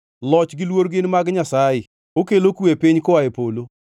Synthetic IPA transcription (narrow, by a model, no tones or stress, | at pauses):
lɔt͡ʃɡɪlwoɾɡɪnmaɡɲasajɪ | okelokuepɪɲkʊaepolo